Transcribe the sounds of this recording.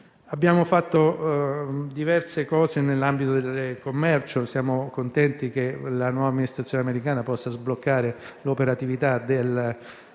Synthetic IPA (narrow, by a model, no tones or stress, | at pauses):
abːjaːmofat̪ːo | d̪ivɛrsekɔːzenelːambit̪od̪elkomːɛrt͡ʃosjaːmokont̪ɛnt̪ik̟elanwɔːvamːinist̪ɾat̪sːjoːneameɾikaːnapɔsːazblokːaːɾelopeɾat̪ivit̪ad̪el